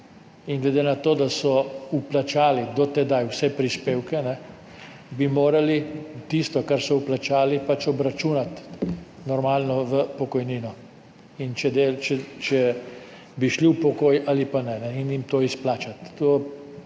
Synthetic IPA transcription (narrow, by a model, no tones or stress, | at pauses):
iŋɡlɛd̪enat̪oːd̪asɔuplat͡ʃaːlid̪ɔt̪ɛd̪ajwsɛpɾispeːwkɛnɛ | bimoːɾalit̪ist̪ɔkaɾsɔuplat͡ʃaːlipat͡ʃɔbɾat͡ʃuːnat̪ | nɔɾmaːlnɔʋəpɔkɔjniːnɔ | int͡ʃɛd̪et͡ʃɛt͡ʃɛ | biʃliwpɔkoːjʔalipanɛnɛinimt̪oːisplaːt͡ʃat̪ːoː